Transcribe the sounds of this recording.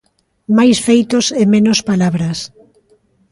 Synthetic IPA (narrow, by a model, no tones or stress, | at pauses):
majsfejt̪ʊsemenospalaβɾɐs